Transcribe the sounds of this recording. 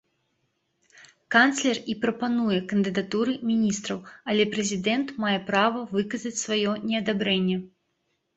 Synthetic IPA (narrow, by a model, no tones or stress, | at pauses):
kant̪slʲɛripɾɐpanujɛkɐnd̪ɨd̪at̪uɾɨmʲinʲist̪ɾɐwɐlʲɛpɾɛzʲid̪ɛnt̪majɛpɾavɐvɨkɐzɐt͡sʲsvajɔnʲɛɐd̪abɾɛnʲːɛ